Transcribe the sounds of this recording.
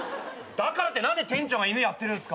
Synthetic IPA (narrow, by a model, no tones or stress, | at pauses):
d̪̥akaɾat̪ːe̞nãnd̪e̞t̪ẽ̞ɲ̟t͡ɕõŋɡainɯjat̪ːe̞ɾɯ̟nsɨ̥ka